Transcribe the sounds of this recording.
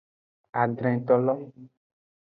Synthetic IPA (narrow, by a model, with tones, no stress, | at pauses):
a˨ɖɾɛ̃˨t̪ɔ˦lɔ˦m˦